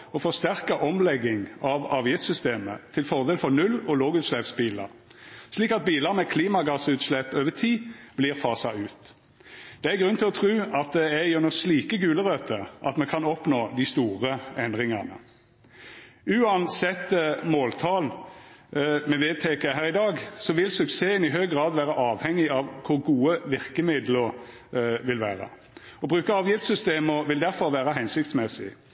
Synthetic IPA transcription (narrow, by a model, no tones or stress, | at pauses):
ɔfɔʁst̪æʁkəʔɔmlɛɡːɪŋɑʋɑːʋjɪft̪sʏst̪eːmə̰t̪ʰɪlfɔʁd̪eːlfɔʁnʉlɔloːɡʉːt̪slɛpsbiːlɑ̰ʁ | sliːkɑt̪̚biːləʁmɛkʰliːmɑɡɑsʉːt̪slɛpːøːʋət̪ʰiːb̥liːʁfɑːsɑʉːt̪ | d̪̥ɛæɡʁʉnt̪ʰɪlɔt̪ʰʁʉːɑt̪̚d̪ɛæjʊnɔsliːkəɡʉːləʁøt̪ʰəʔɑ̰t̪mɛkʰɑnɔpnoːd̪ɪst̪uːʁəɛnd̪ʁɪŋɑnə̰ | ʉːɑnsɛt̪ːmoːlt̪ʰɑːl | mɛʋeːt̪ʰekəɦæːʁɪd̪ɑːɡsɔʋɪlsʉkseːənɪɦœʏɡʁɑːd̪ʋæːɾəʔɑːʋhɛŋːɪɑʋkʰʊɾɡuːəʋɪʁkəmɪd̪ləɾ | ʋɪlʋæ̰ːɾə̰ | ɔbʁʉːkəɑːʋjɪft̪sʏst̪eːmɔʋɪld̪æɾfɔɾʋæːɾəɦɛnsɪk̚t̪smɛsɪ̰